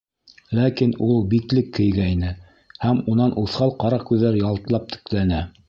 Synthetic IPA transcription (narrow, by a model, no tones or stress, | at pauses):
lækinulˠbiklɘkːɘ̆jɡæinɘ | hæmunɑnʔuθχɑlˠqɑɾɑkʉðːæɾjɑlˠt̪ɤ̆lˠɑp̚t̪ʰɘ̥̆klænæ